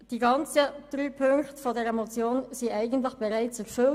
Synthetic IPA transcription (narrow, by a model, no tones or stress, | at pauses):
d̥iːɡɑnt͡səd̥ʁyːpʰʏŋktfodeːɾemot͡sjoːnziːæɪɡən̩tlɪçb̥ɛʁaɪt͡sɛɾfʏl